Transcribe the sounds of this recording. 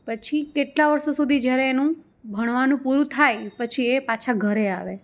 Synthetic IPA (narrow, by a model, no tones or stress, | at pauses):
pət͡ʃʰikeʈlaʋəɾsosud̪ʱid͡ʒjaɾɛːnũ | bʱəɽ̃ʋanũpuɾũt̪ʰajpət͡ʃʰiepat͡ʃʰaɡʱəɾea̰ʋe